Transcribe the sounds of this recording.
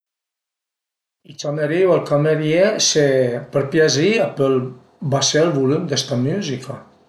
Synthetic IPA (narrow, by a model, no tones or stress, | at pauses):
it͡ʃameɾiwalkameɾiesepəɾpjaziapəl | baseəlˠβulumd̪est̪amuzikʰa